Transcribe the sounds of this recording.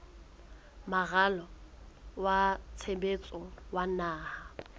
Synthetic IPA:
maɣalɔ | wat͡sʰebet͡sʼɔwanaːha

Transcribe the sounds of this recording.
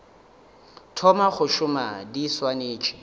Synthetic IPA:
tʰɔmaχʊʃʊmadiswaneːt͡ʃʰʼɪ̥

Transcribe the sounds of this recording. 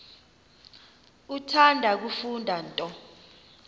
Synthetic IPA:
utʰandʱak̬ufundʱantʼɔ

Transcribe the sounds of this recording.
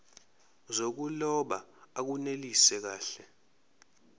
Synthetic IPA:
zok̬ulɔɓaak̬unelisɛk̬aːɬɛ

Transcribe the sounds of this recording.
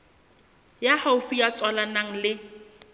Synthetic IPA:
jahaʊfijat͡sʼwalanaŋ̩lɪ

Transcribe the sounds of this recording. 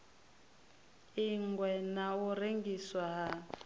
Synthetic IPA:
iŋɡwɛnawureŋɡiswaɦa

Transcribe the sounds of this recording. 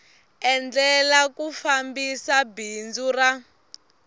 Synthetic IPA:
ɛnd͡ɮɛlakufambisabind͡zura

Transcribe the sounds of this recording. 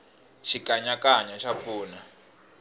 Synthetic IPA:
ʃikaɲakaɲaʃap̪fuːna

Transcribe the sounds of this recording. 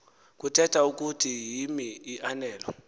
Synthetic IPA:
k̬ʼutʰɛtʰauk̬utʰijimiːʔanɛːlɔ

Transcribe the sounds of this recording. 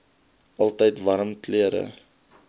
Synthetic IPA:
ʔɐlˠtəjtvɐɾəmtliəɾə̰

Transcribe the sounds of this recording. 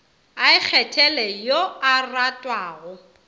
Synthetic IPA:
aɪk͡xʰɛtʰɛlɛjoaratʼwaːɣʊ

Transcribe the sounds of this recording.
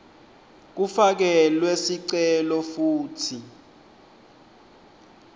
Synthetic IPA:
k̬ufak̬ɛlwesiǀɛlɔfuːtʰi

